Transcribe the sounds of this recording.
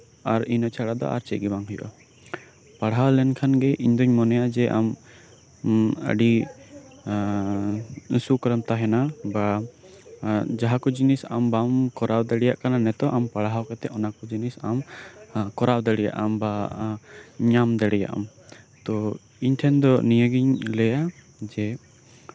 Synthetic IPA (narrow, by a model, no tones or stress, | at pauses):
aɾinət͡ʃʰaɽad̪ɔ̰ʔa̰ɾt͡ʃɛɡibaŋɦɔjʔɔ̰ | paɽɦawlɛnkʰanɡɛʔiɲd̪ɔɲmɔnɛjad͡ʒɛʔa̰m | ə̰ɖi | sukɾəmt̪aɦɛnaba | d͡ʒaɦakɔd͡ʒinisambamkɔɾawd̪ɛɽɛjaʔkananɛt̪ɔʔampaɽaɦawkɛt̪ɛʔɔnakɔd͡ʒinisam | kɔɾawd̪əɽɛja̰ʔa̰mba | ɲamd̪ɛɽɛja̰ʔa̰m | t̪ɔ | iɲt̪ʰɛnd̪ɔnijəɡiɲlɛja | d͡ʒɛ